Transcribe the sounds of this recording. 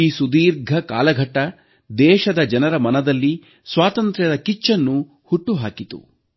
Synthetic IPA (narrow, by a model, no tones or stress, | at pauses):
iːsud̪iːɾɡʱɐkaːlɐɡʱɐʈːɐ | d̪ɛːʃɐd̪ɐd͡ʒɐnɐɾɐmɐnɐd̪ɐlːi | sʋaːt̪ɐnt̪ɾjɐd̪ɐkit͡ʃːɐnːu | huʈːuɦaːkit̪ṵ